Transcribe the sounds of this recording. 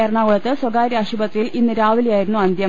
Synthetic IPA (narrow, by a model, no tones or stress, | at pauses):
eɾɐɳaːɣɐɭɐt̪ːɨswɐɡaːɾaʂubɐt̪ːrijilinːɨɾaːʋilijaːjiɾunːuɐnd̪jɐ